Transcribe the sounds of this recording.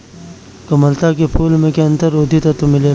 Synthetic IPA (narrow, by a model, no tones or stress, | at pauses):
kɐməlt̪akepʰuːlmẽkeɐ̃nt̪əɾoːd̪ʱit̪ɐt̪omɪleː